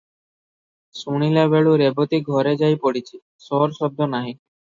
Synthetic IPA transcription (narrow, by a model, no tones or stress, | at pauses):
suɽ̃ilabeɭuɾebɔt̪iɡʱɔɾed͡ʒajpɔɽit͡ʃʰi | sɔɾsɔd̪ʱːɔnaɦĩ